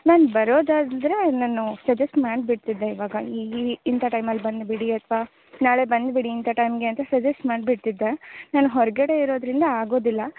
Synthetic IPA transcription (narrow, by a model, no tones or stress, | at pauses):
naːnbɐɾo̞ːd̪aːd̪d̪ɾe̞naːnusɐd͡ʒɐsʈmaːɖbiʈt̪id̪ːe̞iʋaːɡɐiint̪ʰɐʈɐjmɐlːbɐnd̪biɽiɐt̪ʰʋaː | naːɭe̞bɐnd̪biɽiːnt̪ʰɐʈɐjmɡe̞ɐnt̪ɐsɐd͡ʒɐsʈmaːɳɖbiʈt̪id̪ːenaːnuɦɔɾɐɡɐɽe̞iɾo̞ːd̪ɾind̪ɐaːɡo̞ːd̪ilːɐ